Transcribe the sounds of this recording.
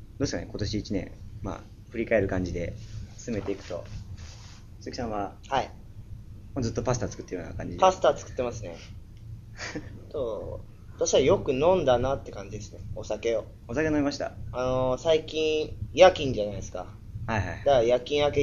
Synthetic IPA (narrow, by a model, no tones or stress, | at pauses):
d̪oːeskaneko̞t̪o̞ɕiːt͡ɕinẽ̞̰ma̰ | ɸɯ̟ɾʲikae̞ɾɯ̟kãɲ̟d͡ʑid̪e̞sɨme̞t̪e̞ikɯ̟t̪o̞̰ | sɨki̥sãɰ̃βahai | mozɨt̪ːo̞pasɨ̥t̪aːt͡sɨ̥kɯ̟t̪ːejoːna̰kãɲd͡ʑipasɨ̥t̪at͡sɨ̥kɯ̟̥t̪ːe̞masɨne̞̰ | t̪o | t̪aɕi̥kaijo̞kɯ̟nõ̞nd̪anat̪ːe̞kãɲ̟d͡ʑid̪e̞sɨ̥ne̞osake̞o | osakenoimaɕi̥t̪a̰anosaikʲĩɰjakʲĩɲ̟d͡ʑanajd̪esɨ̥ka̰ | haihaid̪ajakʲĩɰ̃ake